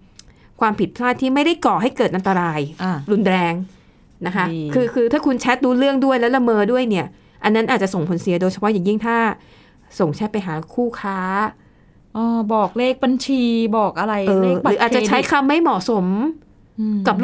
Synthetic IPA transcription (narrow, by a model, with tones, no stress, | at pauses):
kʰwaː˧mpʰi˨˩t̪̚pʰlaː˥˩t̪ʰːiː˥˩ma˥˩jda˥˩jkɔː˨˩ɦa˥˩jkɤː˨˩t̪ʔa˧nt̪a˧ɾaː˧ja˧˩ɾu˧nɾɛː˧ŋ | na˦˥kʰa˦˥kʰɯː˧kʰɯː˧t̪ʰaː˥˩kʰu˧nt͡ɕʰɛ˦˥t̪̚duː˦˥ɾɯ˥˩əŋdu˥˩əjlɛ˦˥la˧mɤː˧du˥˩əjni˥˩ɐ | ʔa˧nːa˦˥nʔaː˨˩t͡ɕa˨˩so˨˩ŋpʰo˨˩˦nsi˨˩˦ɐdoː˧jt͡ɕʰa˧pʰɔ˦˥jaː˨˩ŋji˥˩ŋt̪ʰaː˥˩ | so˨˩ŋt͡ɕʰɛ˦˥pa˧jɦaː˩˦kʰuː˥˩kʰaː˦˥ | ʔɔː˧˩bɔː˨˩k̚leː˥˩k̚ba˧nt͡ɕʰiː˧bɔː˨˩k̚ʔa˧ɾa˧jʔɤː˧˥˩ɯː˦ʔaː˨˩t̪̚t͡ɕa˨˧t͡ɕʰa˦˥jkʰa˧mːa˥˩jmɔ˨˩so˩˦m | ka˨˩p̚